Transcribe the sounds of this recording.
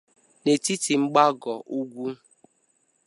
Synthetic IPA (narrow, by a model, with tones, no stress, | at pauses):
ne˨ti˦ti˨ŋ͡m̩˦ɡ͡ba˦ɡɔ˨ʔu˦ɡʷu˦